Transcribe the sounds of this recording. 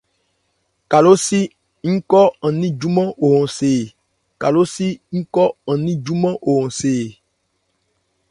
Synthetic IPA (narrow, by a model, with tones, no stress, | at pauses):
ka˨lo˦si˦ | ŋ̩˦kɔ˦ɔ̃˨nĩ˦d͡ʒu˦mɔ̃˦ʔo˨ɦɔ̃˨se˨ | ka˨lo˦si˦ŋ̩˦kɔ˦ɔ̃˨nĩ˦d͡ʒu˦mɔ̃˦ʔo˨ɦɔ̃˨seː˨